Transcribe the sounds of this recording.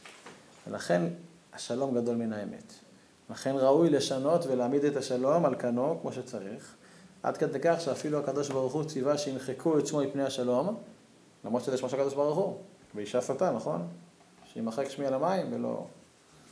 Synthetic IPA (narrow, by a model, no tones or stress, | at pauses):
ve̞̰la̰χe̞n | aʃalo̞mɡad̪o̞lminaeme̞̰t̪ | laχe̞nʁaujle̞ʃano̞tvelaːmid̪et̪aʃalo̞malkanokmo̞ʃet͡saʁiχ | ʔa̰d̪ke̞d̪e̞jkaχʃeafiluakad̪o̞ʃbaʁuχut͡sivaʃeinχekʰuet͡smomipnejhaʃalo̞m | lamʁo̞d̪ʃezeʃmoʃakad̪obaʁuχu | veiʃafotanaχo̞n | ʃeimaχekʃmialamaimvelo̞̰